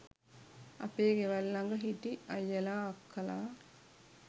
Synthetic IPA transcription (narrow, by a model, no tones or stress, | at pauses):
a̰peːɡeʋalːaŋɡəɦiʈiɐjːəlaːkʰːəlaː